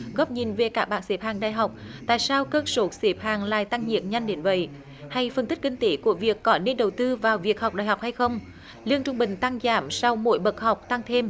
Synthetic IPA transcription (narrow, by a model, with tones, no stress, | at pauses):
ɣɔː˦˥p̚ɲi˨˩nve˨˩kaː˦˥k̚ɓaː˧˨nse˨˦p̚haː˨˩ŋɗa̰ː˧˨jɦa˨˩wk͡p̚t̪a̰ː˧˨jsaː˧wkəː˧k̚so˧˨˦se˨˦p̚haː˨˩ŋla̰ː˧˨jt̪a˧ŋɲḭ˨əp̚ɲa˧jŋ̟ɗe˨˦nvə̰˧˨j | ha˧jfə˨˩nt̪ï˦˥k̟̚kï˧ŋ̟t̪e˨˦ku˧˩əvi˨˩əkːɔ˨˦ne˧nɗə˨˩wt̪ɨ˧vaː˨˩wvi˨˩ək̚ha˨˩k͡p̚ɗaː˨˩jɦa˨˩wk͡p̚ha˧jxə˧wŋ͡m | li˧əŋt͡ɕʊ˧ŋ͡mɓï˨˩ŋ̟t̪a˧ŋzaː˧˦msa˧wmo̰˧˥jɓə˨˩k̚ha˨˩wk͡p̚t̪a˧ŋt̪ʰe˧m